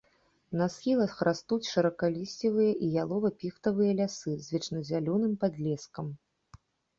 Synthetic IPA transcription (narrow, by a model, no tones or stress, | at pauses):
nɐsxʲilˠɐxɾʔast̪ut͡sʲʂɐɾɐkalʲisʲt͡sʲivɨjɐʔijalˠɔvɐpʲixt̪ɐvɨjɐlʲasɨzʲvʲɛt͡ʂnɐzʲalʲɔnɨmpad̪lʲɛskɐm